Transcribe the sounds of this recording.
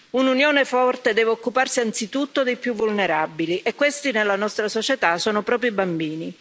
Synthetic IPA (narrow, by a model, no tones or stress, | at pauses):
ununjoːnefɔrt̪ed̪ɛːveokːuparsiant̪sit̪ut̪ːod̪ejpjuvːulneɾabiliʔekːwest̪inelːanɔst̪ɾasot͡ʃet̪asoːnopɾɔːp̬ɾibambiːni